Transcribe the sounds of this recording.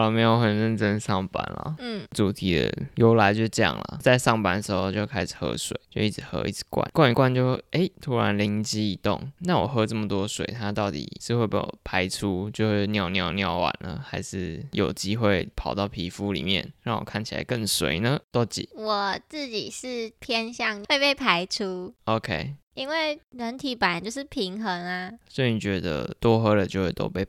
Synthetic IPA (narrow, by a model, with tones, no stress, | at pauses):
lə˨˩me˧˥ɪjo˧˩ʊxə˨˩nɻə˥˩nʈ͡ʂə˦nsɑ˥˨˩ŋpa̰˨˩nlə̰˨˥˩t͡su˨˩t̪ʰi˧˥d̪ə̰˧jo˧˥ʊla˧˥ɪt͡ɕjo˥˧ʂʈ͡ʂə˥˧jɑ̰˥˩ŋlə̰˨˩t͡sa˥˧ɪʂɑ˥˩ŋpa˨˩nd̪ə˩ʂɻ̩˧˥xo˥˧t͡ɕjo˥˧ʊkʰa˥ɪʂɻ̩˨˩xɤ̰˧˥swḛ˨˩ɪt͡ɕjo˥˧ʊi˥˩ʈ͡ʂ̩˨˩xɤ̰˧˥ḭ˥˩t͡s̩ʰ˨˩˦kwa̰˥˩nkwa˥˧n˨˩kwa˥˧nt͡ɕjo˥˧ʊ˥˩ʔe˥ɪt̪ʰu˦˥ɻa˧˦nli˧˥ŋt͡ɕi˥i˧˩t̪o̰˥˨ŋna˥˩wɔ̰˨˩xɤ˧˥ʈ͡ʂə˥˩mə˩t̪wɔ˦˥swḛ˨˩ɪt̪ʰa˥t̪ɑ˥˩ʊt̪ḭ˨˩ʂɻ̩˥˧xwe˥˩ɪppʰa˥ɪʈ͡ʂʰu˦t͡ɕjo˥˧ʊxwe˥˧ɪnjɑ˥˧ʊnjɑ˥˧ʊnjɑ˥˩ʊwa̰˨˩nlə̰˨˩xa˧˥ɪʂɻ̩˥˩jo˨˩ʊt͡ɕi˥xwe˥˩ɪpʰɑ˨˩ʊt̪ɑ˥˩ʊpʰi˧˥fu˦lḭ˨˩mjɛ̰˥˩nɻa˥˩ŋwɔ̰˨˩kʰa˥˩nt͡ɕʰi˨la̰˧˦ɪkə˥˩ŋswḛ˨˦ɪnə˨t̪o˥t͡ɕḭ˨˩˦wɔ˨˩t͡sɹ̩˥˩t͡ɕi˨˩ʂɻ̩˥˩pʰjɛ˥nɕjɑ˥˧ŋwe˥˧ɪpe˥˩ɪpʰa˥ɪʈ͡ʂʰu˦o˧ʊkʰe˥ɪ | i˥nwe˥˩ɪɻə˧˥nt̪ʰi˨˩pa˨˩nt͡ɕjo˥˧ʊʂɻ̩˥˩pʰi˧˥ŋxə˧˥ŋa˧swɔ˧˥i˨˧ni˨˩t͡ɕɥɛ˧˥d̪ə̰˧t̪wɔ˦xɤ˥lə˨t͡ɕjo˥˧ʊxwe˥˩t̪o̰˥ʊpe˥˩ɪ